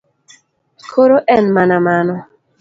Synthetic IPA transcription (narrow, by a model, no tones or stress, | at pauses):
kʰoɾoʔɛnmanamanɔ